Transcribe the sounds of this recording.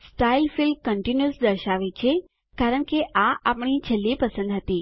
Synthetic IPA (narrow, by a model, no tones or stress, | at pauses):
sʈailfilkəɳʈinjusd̪əɾʃaʋet͡ʃʰe | kaɾəɳkeʔaapɳ̃it͡ʃʰəlːipəsə̃nd̪ɦət̪i